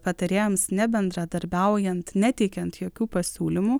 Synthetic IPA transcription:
pɐt̪ɐɾʲeːjomsnʲɛbʲɛnd̪ɾɐd̪ɐɾʲbʲɛʊjɛnt̪nʲæt̪ʲɛɪkʲɛnt̪joːkʲuːpɐsʲuːlʲɪmuː

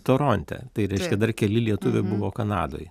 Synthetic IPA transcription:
t̪oːɾoːnʲt̪ʲɛ̰t̪ɐɪɾʲɛɪʃʲkʲɛd̪ɐrkʲɛlʲɪlʲiɛt̪ʊʋʲɛbʊʋoːkɐnɑ̰ːd̪o̰ːj

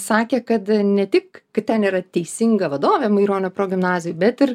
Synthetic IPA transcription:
sɑːkʲeːkɐt̪nʲɛt̪ʲɪkkɐttʲɛniːɾɐt̪ʲɛɪsʲɪŋɡɐʋɐd̪oːʋʲɛːmɐɪɾoːnʲopɾoːɡʲɪmnɑːzʲɪjʊbʲɛt̪ɪɾ

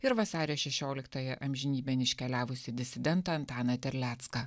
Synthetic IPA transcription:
ɪɾʋɐsɑːɾʲɪoʃʲɛʃʲoːlʲɪkt̪ɐjɛʔɐmʲʒʲɪnʲiːbʲɛnʲɪʃʲkʲɛlʲæːʋʊsʲɪd̪ʲɪsʲɪd̪ʲɛnt̪ɐɐnt̪ɑːnɐt̪ʲɛɾʲlʲæːt̪skɐ

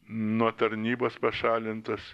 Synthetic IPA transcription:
nuɔt̪ɐɾʲnʲiːboːspɐʃɑːlʲɪnt̪ɐs

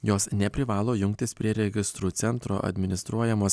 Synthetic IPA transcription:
joːsnʲɛpʲɾʲɪʋɑːlˠoːjʊŋkt̪ʲɪspʲɾʲiɛɾʲɛɡʲɪst̪ɾuːt̪sʲɛnˑt̪ɾo̰ːʔɐ̰d̪ʲmʲɪnʲɪst̪ɾuɔjɛmoːs

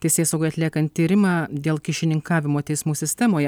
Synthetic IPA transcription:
t̪ʲɛɪsʲeːsɐʊɡʊɪɐt̪ʲlʲiɛkɐnt̪ʲːiːɾʲɪmɑːd̪ʲeːlˠkʲɪʃʲɪnʲɪŋkɑːʋʲɪmoːt̪ʲɛɪsmuːsʲɪsʲt̪ʲɛmoːjɛ

